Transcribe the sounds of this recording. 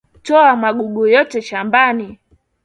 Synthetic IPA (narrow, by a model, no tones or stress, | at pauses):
tɔamaɡuɡujɔtɛʃambani